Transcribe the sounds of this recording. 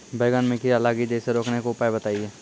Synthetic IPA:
beːɡənmẽkiɐlaːɡid͡ʒeːseɾoːknekoʊpaːebət̪aːieː

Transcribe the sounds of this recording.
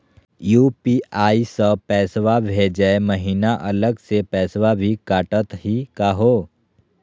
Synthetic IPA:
juːpiaːisəpɛːsʋabʱed͡ʒɛeməɦiːnaʔɐləɡsepɛːsʋabʱikaːʈət̪ɦikaɦoː

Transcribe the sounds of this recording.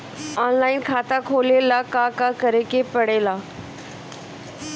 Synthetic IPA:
ɔnlainkʰaːt̪akʰolelakakakəɾekepəɽela

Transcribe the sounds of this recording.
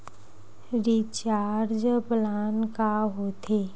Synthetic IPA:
ɾit͡ʃaːɾd͡ʒplaːnkaɦot̪ʰe

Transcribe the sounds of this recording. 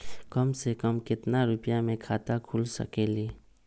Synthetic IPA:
kəmsekəmkɪt̪naɾʊpjamẽkʰaːt̪akʰʊlsɐ̰keːliː

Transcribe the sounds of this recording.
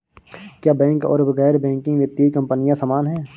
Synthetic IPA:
kjaːbɛ̃ːŋkɔ̰ːɾbɐɣɛːɾbɛ̃ːŋkɪ̃ŋɡʋjət̪jaikɐ̃mpənijãsaːmaːnɦɛ̃ː

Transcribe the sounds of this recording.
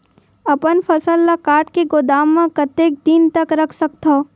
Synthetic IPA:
ɐpənpʰɐsəlːakaːɾʈkeɡoːd̪aːmːãkɐt̪eːk̚d̪iːnt̪əkɾɐkʰsɐkt̪ʰoː

